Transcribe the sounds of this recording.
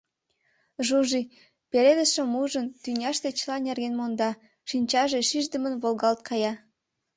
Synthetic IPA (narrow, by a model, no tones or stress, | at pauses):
ʒuʒi | peled̪əʃĕmuʒənt̪ynʲɑʃt̪et͡ɕlɑnerɣenmond̪ɑ | ʃinʲt͡ɕɑʒeʃiʒd̪ə̆mənβolˠɣɑlt̪̚kʰɑjɑ